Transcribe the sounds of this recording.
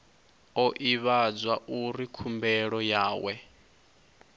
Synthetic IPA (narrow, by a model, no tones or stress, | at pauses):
ɔʔiβad͡zwaʔuɾikʰumbɛɺɔjaːwɛ